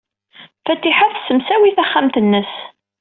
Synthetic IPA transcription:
fæt̪ːiħaθsəmsæwiθæχːæmt̪ənːəs

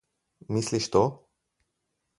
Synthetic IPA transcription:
misliʃt̪o

